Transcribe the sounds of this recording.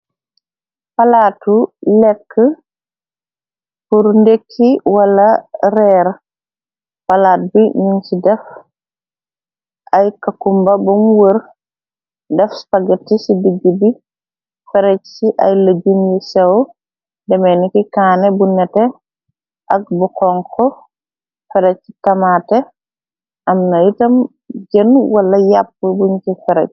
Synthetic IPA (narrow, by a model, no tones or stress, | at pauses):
palaːtulɛkʰːə | puɾndekʰːiwalaɾɛɾ | palaːt̚biniŋsidɛf | ʔajkakumbabɔmwəɾ | dɛfspaɡətːisidiɡːibi | fɛɾɛt͡ʃsiʔa̰jlad͡ʒumjisɛw | dɛmɛnikikaːnɛbunɛtɛ | ʔak̚bukɔŋkɔ | fɛɾɛcːi̥tamatɛ | ʔamnajitɐm | d͡ʒənwalːɐjapːəbuɲkifɛɾɛ̰c̚